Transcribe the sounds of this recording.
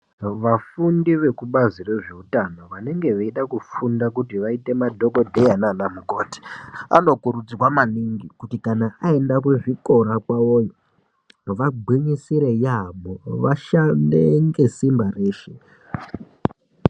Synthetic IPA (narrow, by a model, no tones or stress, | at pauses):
ʋafundiʋe̞kuɓazire̞ʐe̞utano̞ʋane̞ŋɡe̞ʋeiɗakufundakutiʋaite̞madʱo̞ko̞dʱejananamukoːti̥a̰no̞kuɾud͡ziwamaniŋɡikutikanaʔae̞ndakweʐiko̞ɾakwawojo | ʋaɡ͡bʱwiɲisiɾe̞jaɓoʋaʃandeŋɡe̞simbareːʃe